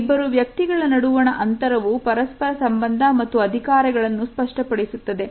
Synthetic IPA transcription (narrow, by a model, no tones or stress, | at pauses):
bːɐɾuʋjɐk̚t̪iɡɐɭɐnɐɽuʋɐɳɐʔɐnt̪ɐɾɐʋupɐɾɐspɐɾɐsɐmbɐnd̪ʱɐmɐt̪ːuɐd̪ʱikaːɾɐɡɐɭɐnːuspɐʂʈɐpɐɽisut̪ːɐd̪e̞